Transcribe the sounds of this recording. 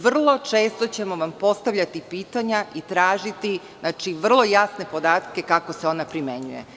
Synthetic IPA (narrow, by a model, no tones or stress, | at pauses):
ʋr̩lˠo̞t͡ʂe̞ːst̪o̞t͡ɕe̞mo̞ʋampo̞st̪aʋʎʲat̪ipiːt̪aɲaʔit̪ɾaːʒit̪i | nat͡ʃiʋr̩lˠo̞jasne̞po̞d̪aːt̪ke̞kako̞seo̞napɾimeɲṵjḛ